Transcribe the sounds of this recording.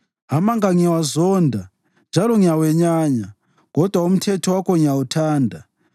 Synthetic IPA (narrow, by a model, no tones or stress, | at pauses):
ɦamaŋɡaŋawazondʱa | nd͡ʒʱaloŋiaweɲaːɲa | ɡ̥ʱɔd̥ʱwaum̩tʰetʰowakoŋiautʰaːndʱa